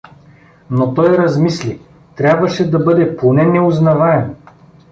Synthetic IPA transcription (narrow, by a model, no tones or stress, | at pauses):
not̪ɔjɾɐzmisli | t̪ɾʲabvɐʃɛd̪ɐbɤd̪ɛponɛnɛʊznɐvaɛm